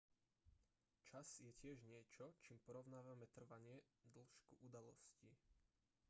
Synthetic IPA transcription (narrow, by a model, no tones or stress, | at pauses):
t͡ʃaz̥jɛcɪɛʒɲɪɛt͡ʃɔt͡ʃiːmpɔɾɔʊnaːʋamɛt̪r̩ʋaɲɪɛd̪l̩ʃkuʔud̪alɔ̰sci